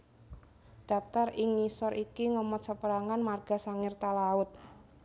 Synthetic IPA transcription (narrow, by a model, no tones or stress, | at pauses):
ɖ̥a̤p̚t̪arɪŋɲisɔɾʔikiŋəmɔt̪̚səpəɾaŋanmarɡ̥asaŋɪrt̪alaʊt̪̚